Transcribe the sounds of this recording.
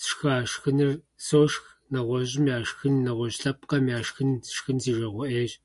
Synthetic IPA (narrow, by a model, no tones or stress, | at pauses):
ʃxaːʃxɨnɨr | soːʂx | nɐʁʷɔʑʼɪmjaːʂxɨnːɐʁʷɔɕɬɐp̚qɐmjaːʃxɨntʰɨ̥ʃxɨnziːʒɐʁʷɔʔeːɕ